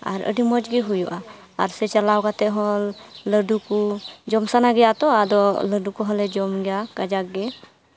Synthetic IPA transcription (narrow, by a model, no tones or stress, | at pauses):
a̰ɾə̰ɖimɔd͡ʒɡɛɦujɔʔa | a̰ɾsɛt͡ʃalawɡat̪ɛʔɦɔlːəɖukud͡ʒɔmsanaɡɛjat̪ɔad̪ɔləɖukɔɦɔlɛd͡ʒɔmɡɛjakad͡ʒak̚ɡɛ